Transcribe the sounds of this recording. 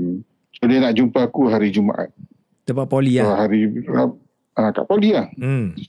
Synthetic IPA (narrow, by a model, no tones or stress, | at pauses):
sodanaʔd͡ʒumpakuɦaɾid͡ʒuma̰ʔa̰ʔ | t̪əpaʔpoliaɦaɾia | aka̰ʔpoliah̩